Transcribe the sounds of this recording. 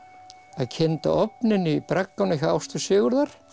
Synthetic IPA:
aðcʰɛnt̪a̰ʔɔpnɪnːʏpɾakːawnɪçaa̰wst̪ʏsɪːɣʏɾðaɾ̥

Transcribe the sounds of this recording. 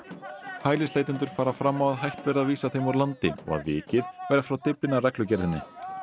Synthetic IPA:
haːjlɪslaːjt̪ɪnt̪ʏɾ̥faːɾafɾamːawaðɦajht̪vɛɾðaðviːsaθejmaɾlant̪ɪɔ̰ɣa̰ðvɪ̰ːcɪðvajɾafɾawt̪ɪplɪnarɛklʏcɛɾðɪnːɪ

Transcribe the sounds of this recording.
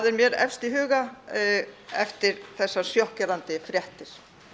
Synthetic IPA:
ðɛɾmjɛɾɛ̰fst̪iɦʏːɣa | ɛft̪ɪɾθɛsːḁsjɔhcɛɾant̪ɪfɾjɛht̪ɪɾ̥

